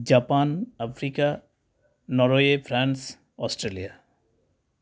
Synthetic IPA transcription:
d͡ʒapanapʰɾika | nɔɾojepʰɾans | ɔsʈɾelia

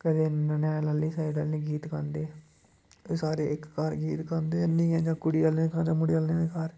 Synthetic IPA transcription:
kəd̪eːnnɛ̃ːləlːiːsaːɾiɖəlniːɡiːt̪kand̪eː | eːsaːɾeːʔɪkːaɾɡiːt̪kənd̪eːnĩːɛːd͡ʒãːkʊɽiːalneːd̪eːkaːɾd͡ʒãːmʊɽiːəːlneːd̪eːkaːɾ

